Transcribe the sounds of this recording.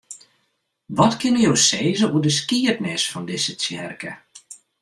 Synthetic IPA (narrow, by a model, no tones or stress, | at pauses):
ʋɔtkɪnəjoːseːzəuədəs̬kiətnɪsfɔndɪsət͡sjɛrkə